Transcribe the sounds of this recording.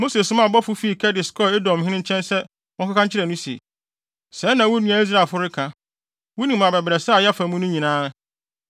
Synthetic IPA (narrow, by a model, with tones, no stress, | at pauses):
mo˦se˨sʊ̃˦mã˨bɔ˦fʊ˦fi˦˨kʰɛ˦dɪ˨skʰɔ˦e˦dɔ̃˨m˨hɪ̃˦nɪ̃˦ɲ̩˦t͡ɕʰɛ̃˦nsɛ˦ | wɔ̃˦kʰa˦kʰã˦ɲ̩˦t͡ɕʰɪ˦ɾɛ˨nʊ̃˦si˨ḛ˨ | sɛ˨˦nã˨wʊ˦nũ˨a˨i˦s̬ɾa˨fʊ˦ɾɪ˦kʰã˨ | wʊ˦nĩ˨mã˨bɛ˨bɪ˨ɾɛ˨sɛ˦a˨ja˦fã˨mũ˦nʊ̃˦ɲĩ˨nãː˦